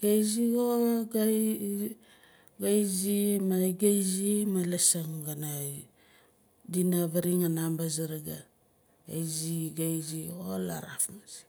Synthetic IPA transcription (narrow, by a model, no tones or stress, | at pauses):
ɡajzioɡa | ɡajzimaɡajzimalasaŋɡana | dinaβaɾiŋanambazaɾaɡa | a̰jziɡajziola̰ɾafmazi̥